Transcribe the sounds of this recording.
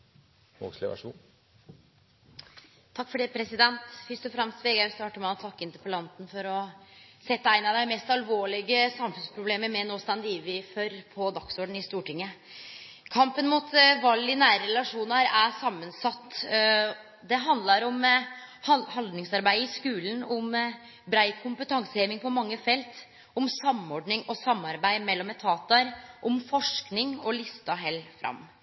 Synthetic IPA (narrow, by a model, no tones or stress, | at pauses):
ɔ̰kslɪ̰ʋæ̰ʂ | t̪ʰɑkːfɔɖeːpʰɾɛsɪd̪ɛnt̪fʏst̪ɔfɾɑmst̪ʋeːɡæʉst̪ɑːʈəmɛɔt̪ʰɑkːəɪnt̪əɾpəlɑnt̪n̩fɔɾɔsɛt̪ːəæɪnɑd̪æɪmɛst̪ɑlʋoːɭɪɡəsɑmfʉnspʰɾʊbleːməɾmɛnoːst̪ɑnd̪iːʋɪfɔɾpʰɔd̪ɑksɔɖɳ̩ɪst̪uːʈɪŋːə | kʰɑmpənmʊt̪ʋɑlːɪnæːɾəɾɛlɑʂuːnɑɾæsɑmːənsɑt̪ː | d̪ɛɦɑnd̪lɑɾɔm | hɑhɑld̪nɪŋsɑɾbæɪɪskʉːlənɔm | bɾæɪkʰʊmpət̪ʰɑŋsəheʋɪŋpʰɔmɑŋːəfɛlt̪ | ɔmsɑmɔɖɳɪŋɔsɑmːɑɾbæɪmɛlːɔmɛt̪ʰːɑːt̪ɑɾʔɔmfɔʂknɪŋɔlɪst̪ɑɦɛlːfɾɑ̰mː